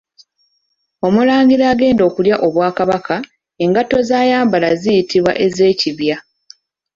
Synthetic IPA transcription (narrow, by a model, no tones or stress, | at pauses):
o̞mulaːɲɡiɾaːɡe̞ːndo̞ːkuljaʔo̞βwaːkaβakʰa | e̞ŋɡato̞zaːjaːmbalazijitiβwa̰ʔe̞ze̞ːciβja